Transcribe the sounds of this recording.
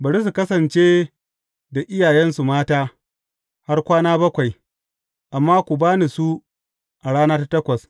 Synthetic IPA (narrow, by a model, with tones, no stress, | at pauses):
bɐ˨ɾi˦s̬u˨kɐ˦sɐ˨nt͡ʃeː˦ | da˨ʔɪ˦jaː˨jɛ˦nsu˨maː˦taː˦ | ha˦rkʷaː˦naː˦bɐ˦kʷa˨j | ʔa˨mːaː˦kʷu˨baː˦ni˨su˦ | ʔa˨ɽaː˦naː˦ta˦tɐ˦kʷɐ˨s